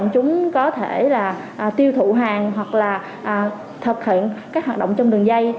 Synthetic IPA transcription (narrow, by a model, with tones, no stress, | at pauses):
ŋ͡mt͡ɕʊ˨˦ŋ͡mkɔ˨˦t̪ʰe˧˩laː˨˩ | ʔːt̪i˧əwt̪ʰu˧˨ɦaː˨˩ŋɦwa˨˩k̚laː˨˩ | ʔaː˨˩ | t̪ʰə˨˩k̚hḭ˧˨ənkaː˦˥k̚waː˨˩ɗə̰˧˨ŋ͡mt͡ɕɔ˧ŋ͡mɗɨ˨˩əŋza˧j